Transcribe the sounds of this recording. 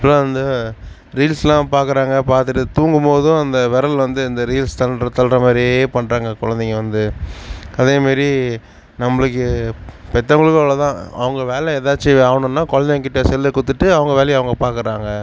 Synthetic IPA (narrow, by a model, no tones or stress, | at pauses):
ɐpːɐlõːʋɐnd̪ɐ | ɾiːlslãːpaːɾkɯɾaːŋɡɐpaːɾt̪ɯʈːɯt̪uːŋɡɯmpoːðɯ̃ɐnd̪ɐʋɛɾɐlʋɐnd̪ɯɪnd̪ɐɾiːlst̪ɐnɾɐt̪ːɐlɾɐmaːd̪ɾieːpɐɳːɾaːŋɡɐkɔɻɐnd̪ɪŋɐʋɐnd̪ɯ | ɐðeːmaːɾi | nɐmːɐɭɯkːɯpɛt̪ːɐŋɡɐɭɯkːaːɭɐt̪ãːɐ̰ʋɐŋɡɐʋeːlɛɛðaːt͡ʃːɯaːʋɳʊ̃nːaːkɔɻɐnd̪eŋk̬ɪʈːɐsɛlːɐkːʊt̪ːɯʈːɯɐʋɐŋɡɐʋeːlɛjɐʋɐŋɡɐpaːɾkɯɾaːŋɡɐ